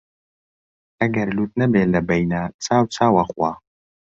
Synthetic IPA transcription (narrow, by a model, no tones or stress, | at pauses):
ɐɡɐɾluːt̪̚nɐbeːlɐbɛjnat͡sʰaːwt͡sʰaːwaχwaː